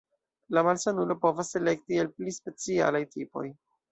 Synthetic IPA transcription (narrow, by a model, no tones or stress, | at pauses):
lamalsanulo̞po̞vase̞le̞k̚tielplispe̞t͡sia̰lajtʰipo̞̰j